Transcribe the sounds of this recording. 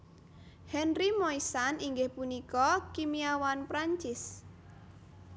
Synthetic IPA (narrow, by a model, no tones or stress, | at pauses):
hɛnrimɔisaniŋɡɪhpunikɔkimiawanpɾaɲt͡ʃɪs